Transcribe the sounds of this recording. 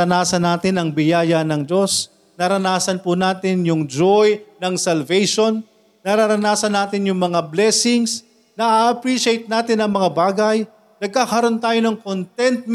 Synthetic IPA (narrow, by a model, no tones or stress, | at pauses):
ɐnaːsɐnːaːt̪ɪnɐŋbɪjaːjɐnɐŋd͡ʒo̞s | nɐɾɐnaːsɐnpʊnaːt̪ɪnjʊŋd͡ʒojnɐŋsɐlvɛjʃonː | ɐɾaɾɐnaːsɐnaːt̪ɪnjʊŋmɐŋablɛsɪŋs | nɐʔaːʔɐpɾiʃɪejt̪̚naːt̪ɪnɐŋmɐŋabaːɡɐj | nɐɡ̚kaːkɐɾo̞nt̪aːjonɐŋkont̪ɛnt̪̚m